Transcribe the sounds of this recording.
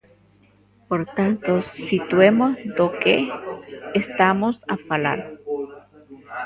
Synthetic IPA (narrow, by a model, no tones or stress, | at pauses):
poɾt̪ant̪osit̪wemosd̪okeː | st̪amosafala̰ɾ